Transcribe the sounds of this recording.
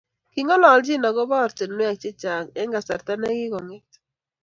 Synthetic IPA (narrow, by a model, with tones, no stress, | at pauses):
ki˨ŋɔ˦lɔ˨ld͡ʒi˦na˨ɡɔ˦ba˦ɔ˨ɾte˨nme˦a˨k̚t͡ʃe˦t͡ʃa˨ŋɛ˦ŋɡa˨sa˨ɾta˦nɛ˦ɡɪ˦kɔ˨ŋe˦t